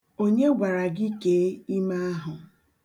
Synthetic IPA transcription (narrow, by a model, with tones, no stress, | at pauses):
o˦ɲe˦ɡʷa˨ɾa˨ɡi˦keː˨˦i˦ma˦a˦ɦʊ˨